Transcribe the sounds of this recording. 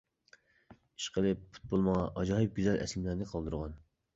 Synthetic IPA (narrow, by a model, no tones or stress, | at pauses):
i̥ʃqəlˠɨppʰu̥t̪̚bolˠmɑɑʔɑd͡ʒɑːɦɨp̚ɡʲyzælʔɛ̰slɪmlæɾnɪqʰɑlˠd̪ɨɾʁɑn